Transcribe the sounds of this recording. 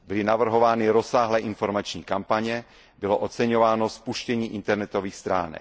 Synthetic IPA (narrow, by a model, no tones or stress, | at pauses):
bɪlɪnavr̩ɦo̞vaːnɪɾosaːɦlɛːʔɪnfo̞ɾmat͡ʃɲiːkampaɲɛ | bɪloʔot͡sɛɲovaːnospuʃcɛɲiːʔɪnt̪ɛɾnɛt̪oviːxst̪ɾa̰ːnɛ̰k